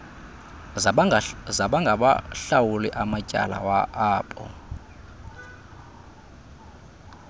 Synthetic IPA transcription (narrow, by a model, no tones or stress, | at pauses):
zaɓaŋɡʱaɓa̰ɬawulɛʔamacʼa̰la̰waʔaːpʼɔ̰